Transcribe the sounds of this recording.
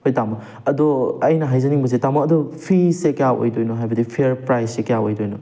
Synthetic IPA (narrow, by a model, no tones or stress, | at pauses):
hojtamɐk | ɐdɔɐjnɐɦajzɐniŋbɐs̬etamɐkɐdɔpʰisekɐjaʔo̰jdojnɔɦajbɐdipʰeɾpɾajsːekɐjaojdojnɔ